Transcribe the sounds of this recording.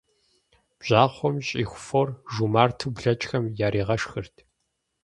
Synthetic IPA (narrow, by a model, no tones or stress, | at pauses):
b̥ʑ̥aːχʷɔmɕʼiːxʷʊforʒumaːrtʰɨbɮɐt͡ʃʼxɐmjaːɾiːʁɐʂxɨrtʰ